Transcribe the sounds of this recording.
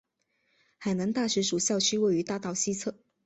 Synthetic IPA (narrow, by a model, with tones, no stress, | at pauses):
xa˨˩ɪna˧˥ŋt̪a˥˩ʂɻ̩˧˥ʂu˨˩ɕjɑ˥˧ʊt͡ɕʰy˥we˥˩ɪy˧˥t̪a˥˧t̪ɑ˥˧ʊɕi˥t͡sʰɤ˥˩